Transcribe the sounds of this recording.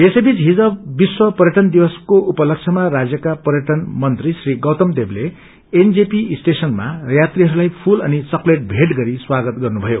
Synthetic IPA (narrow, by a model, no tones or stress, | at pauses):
esebit͡sɦid͡zʌbːiswʌpʌɾjʌʈʌnd̪iwʌskoʔupʌlʌk̚t͡sʰʌmaɾad͡zjʌkapʌɾjʌʈʌnmʌnt̪risriɡʌwt̪ʌmd̪eble | end͡zepisʈesʌnma̰jat̪riɦʌɾulajpʰulʌnit͡sʌkleʈ̚bʱeʈɡʌɾiswaɡʌt̪ɡʌrnubʱʌjo